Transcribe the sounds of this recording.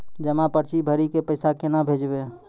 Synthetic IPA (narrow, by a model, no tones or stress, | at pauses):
d͡ʒəmapəɾt͡ʃibʱəɾikepəɪsakenabʱed͡ʒbe